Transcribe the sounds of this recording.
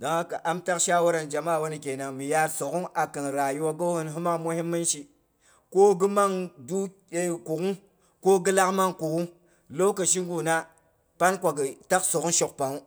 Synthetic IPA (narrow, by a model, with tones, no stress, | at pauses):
da˨ŋa˦ka˨ʔa˦mta˦kʃa˦wa˦ɾa˨nd͡ʒa˨ma˦˨wo˦ni˨ke˨na˨ŋmi˨ja˦ɾso˨ku˦ŋa˨ki˨ŋɾa˨ju˦wa˦ɡo˦hu˦nɦu˦ma˦ŋmu˦hi˦mːi˦nʃi˨ | ko˦ɡi˦ma˦ŋdu˦ | e˨ku˨ku˦ŋ | ko˦ɡi˦la˦kma˦ŋku˨ku˦ŋ | lo˦kə˨ʃ̬i˦ŋɡu˨na˦ | pa˦nkʷa˨ɡi˨ta˦kso˨ku˦nʃo˨k̚pa˨ŋu˦